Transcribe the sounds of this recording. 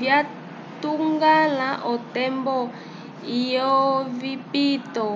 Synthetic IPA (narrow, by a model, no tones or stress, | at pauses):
vja | tuŋɡalaʔɔtɛmbɔ | ijɔvipit̪ɔ